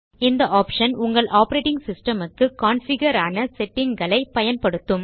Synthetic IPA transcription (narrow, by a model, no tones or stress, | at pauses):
ɪnd̪ɐʔaːpʂɐnʊŋɡɐɭʔaːpɐɾeːʈɪŋɡsɪsʈɐmɯkːɯkaːnfɪɡɐɾaːnɐsɛʈːɪŋɡɐɭɐɪpɐjɐnpɐɽɯt̪ːɯm